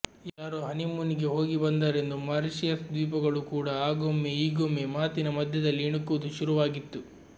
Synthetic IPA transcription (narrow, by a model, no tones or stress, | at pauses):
jaːɾoːɦɐnimuniɡe̞ɦo̞ːɡibɐnd̪aːɾe̞nd̪umɐɾiʃijɐsd̪ʋiːpɐɡɐɭukuːɽɐaːɡomːeiːɡomːemaːt̪inɐmɐd̪ʱjɐd̪ɐlːiːɳukːuʋud̪uʃuɾuʋaːɡit̪ːu